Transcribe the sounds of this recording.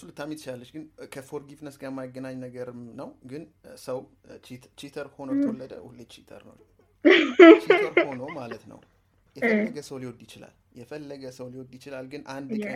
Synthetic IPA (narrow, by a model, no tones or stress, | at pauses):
sulɨt̪ʰːamit̪ːt͡ʃalːət͡ʃːɡɨnkʰəfoɾɡifnəsɡajɛmːajɡːənaɲnəɡəɾɨmnəwɡɨn | səw | t͡ʃit̪ʰt͡ʃit̪ʰəɾho̞nəw̪wolːəd̪əwuled̪t͡ʃit̪ʰə̰ɾnə̰w | t͡ʃiəɾhonəwmalət̪nə̰w | jɛlːəɡəsəwliwɔd̪jɪt͡ʃɪla̰l | jɛfəlːəɡəsəwliwɔd̪jɪt͡ʃɪlalɡɨnʔand̪